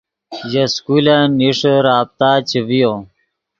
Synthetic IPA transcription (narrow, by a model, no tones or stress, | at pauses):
jɐskulaniʂəɾaːb̚t̪aːt͡ɕivijo